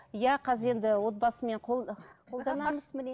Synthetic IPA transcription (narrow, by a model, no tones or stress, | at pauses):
jæqʰɑzəɾe̞nd̪ɪwo̞t̪̚bɑsəme̞ɴqʰoqʰo̞lˠd̪ɑnɑməzmɪ